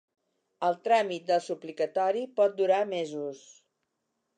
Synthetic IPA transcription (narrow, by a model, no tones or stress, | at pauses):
əlˠt̪ɾamit̪̚d̪əlˠsuplikət̪ɔɾipɔt̪̚d̪uɾamezus